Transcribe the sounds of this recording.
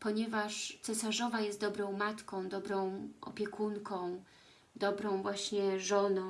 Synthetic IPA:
pɔɲɛvaʂt̪sɛsaʐɔvajɛst̪̚d̪ɔbɾɔ̃w̃mat̪kɔ̃w̃d̪ɔbɾɔ̃w̃ʔɔ̰pʲjɛkʰuŋkɔ̃w̃ | d̪ɔbɾɔ̃w̃vwaɕɲɛʐɔnɔ̃

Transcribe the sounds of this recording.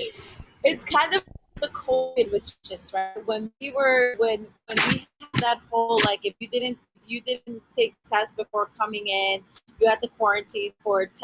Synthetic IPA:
ɪtskʰãɪ̃ndʌvðəkʰoʊvɨd̚ɹɨstɹ̥ɪʃɨ̃nz̥ɹaɪt̚wə̃nwiwə˞wɨ̃nwɨ̃nwid̪̚ðɨt̚hoʊlˠlaɪkɨfjɨdɪdⁿn̩tɪfjɨdɪdn̩n̩tʰeɪk̚tʰɛst̚b̥ɨfɔɹkʰʌmɪ̃ŋɪ̃njɨhæd̚tɨkʰw̥ɑɹɨ̃ntʰit̚fə˞tʰ

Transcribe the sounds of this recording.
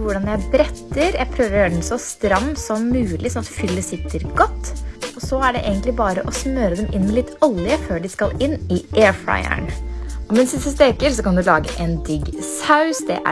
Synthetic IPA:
ʋʊɖɑnjæɪbɾɛt̪ːəɾjæɪpʰɾøːʋəɾjøːɖnsɔst̪ɾɑmːsɔmːʉːlʔɪsɔnɑt̪fʏlːəsɪt̪ːəɾɡɔt̪ːɔsɔæɖɛʔḛːɡənt̪lɪbɑːɾəʔɔsmøːɾəd̪ɛmʔɪnmɛlɪt̪ːɔlːɪəføːɖɪskɑlɪnːɪʔeːɹfɾɑ̰ɪə̰ɳɔmɛnsɪst̪əst̪eːkəɾsɔkɑnd̪ʉlɑːɡə̰ʔɛnd̪ɪɡsɑʉsd̪ɛ̰ʔæ̰

